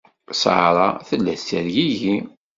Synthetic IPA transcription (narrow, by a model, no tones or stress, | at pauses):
sʕɾˤɑθəlːæθt̪ːæɾʝiji